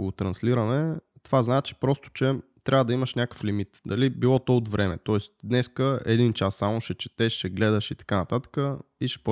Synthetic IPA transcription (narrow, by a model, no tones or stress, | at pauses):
ɡot̪ɾɐnsliɾɐnɛt̪ovaznat͡ʃi̥pɾɔst̪ʊ̥t͡ʃɛt̪ɾʔavəd̪ɐiməʃnʲakə̥flimit̪d̪ɐlibilˠɔt̪ɔʊd̪vɾʔɛmɛ̰t̪ɔɛst̪d̪nɛskəɛ̰d̪int͡ʃasːamʊʃɛt͡ʃɛ̥t̪ɛʃɛɡlɛd̪əʃit̪ɐ̥kanɐt̪at̪ə̥kəiʃɛ̥p